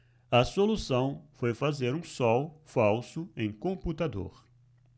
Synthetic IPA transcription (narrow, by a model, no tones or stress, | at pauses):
ɐsolusɐ̃w̃fojfazeɾũsɔwfawsʊẽj̃kõput̪ad̪o̰ɾ